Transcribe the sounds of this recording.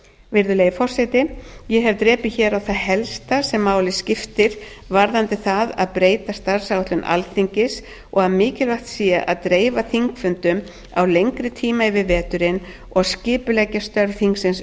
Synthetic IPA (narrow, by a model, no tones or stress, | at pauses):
vɪɾðʏleːjfɔr̥sɛjt̪ɪjɛɦɛvt̪ɾɛːpɪçɛːɾawθaðɦɛlst̪asɛmːaːwlɪscɪft̪ɪɾ̥ | vaɾðant̪ɪθaðaðpɾeːjt̪ast̪aɾ̥sawt̪lʏnʔa̰lθiɲcɪs | ɔɣaðmɪːcɪlvaxt̪siːjaʔaðt̪ɾeːjvaθiŋkfʏnt̪ʏm | a̰wlejŋkɾɪt̪ʰiːmaɪvɪðvɛːt̪ʏɾɪn | ɔɣascɪːpʏlɛcːast̪œɾvθiŋksɪns